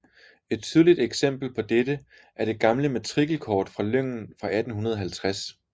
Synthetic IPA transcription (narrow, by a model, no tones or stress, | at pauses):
e̝d̥̚t͡sʰyð̞ˠlid̥eɡ̥sem̰b̥l̩pʰɒ̽d̥edə | ʔæɐɾ̥e̝ɡ̥ɑ̈mləmæt͡sʰʁiɡ̥l̩kʰɒːd̥fʁɑ̈løŋ̰n̩fʁɑ̈æd̥n̩ɦunɐð̞ˠɐɦælt͡sʰʁas